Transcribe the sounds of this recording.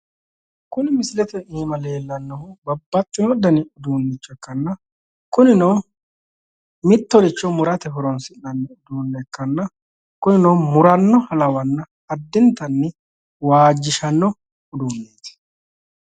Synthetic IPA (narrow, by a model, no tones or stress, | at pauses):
kʊnɪmɪsɪlɛt̪ɛiːmɐle̞ːlːɐnːɔhʊbɐbːɐt͡ʃʼːɪnɔd̪ɐnɪʊd̪uːnːɪt͡ʃːɔɛkːɐnːɐ | kʊnɪnoː | mɪt̪ːɔd̪ɪt͡ʃːɔmʊɾɐt̪ɛɦʊɾɔnsɪnːɐnːɪʊd̪uːnːɛkːɐnːɐ | kʊnɪnoːmʊɾɐnːɔhɐlɐwɐnːɐ | ɐd̪ːɪnt̪ɐnːɪ | waːd͡ʒːɪʃɐnːɔ | ʊd̪uːnːeːt̪ɛ̥